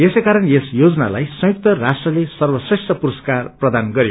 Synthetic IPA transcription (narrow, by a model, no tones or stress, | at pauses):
esejkaɾʌnesjod͡zʌna̰la̰jsʌ̃juk̚t̪ʌrasʈrʌlesʌrwʌsresʈʰʌpuɾʌskarprʌd̪anɡʌɾjo